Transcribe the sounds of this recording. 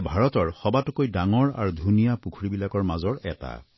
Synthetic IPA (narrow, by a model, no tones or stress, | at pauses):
bʱaɹɔtɔɹxɔbatukojdaŋɔɹa̰ɹudʱunijapukʰɹibilakɔɹmazɔɹɛ̰ta̰